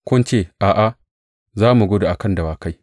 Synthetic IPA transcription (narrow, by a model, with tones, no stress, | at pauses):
kʷʊ˦nt͡ʃeː˦˨ʔaː˨ʔa˨ | zaː˦mu˨ɡo˦da˨ʔa˨kɐ˦nda˨waː˨ka˦j